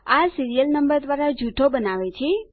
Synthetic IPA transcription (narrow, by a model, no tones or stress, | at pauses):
asiɾijəlnəmbəɾd̪ʋaɾad͡ʒʱuʈʰobənaʋet͡ʃʰe